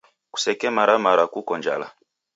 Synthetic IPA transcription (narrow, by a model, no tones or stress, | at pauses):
ku̥sɛkɛmaɾamaɾakukɔnd͡ʒa̰la̰